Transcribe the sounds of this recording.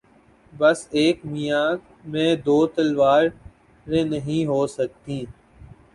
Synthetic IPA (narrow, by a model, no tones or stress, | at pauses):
bɐseːkmijãː | mẽːd̪oːt̪əlʋaːɾ | ɾẽːnəɦĩɦoːsək̚t̪ĩː